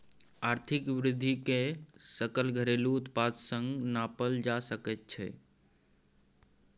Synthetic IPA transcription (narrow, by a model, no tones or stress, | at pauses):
aɾt̪ʰikʋɾɪd̪ʱːikesəkəlɡʱəɾelut̪ʰpad͡ʒ̪səŋɡnapəld͡ʒasəkət̪̚t͡ʃʰɛ̰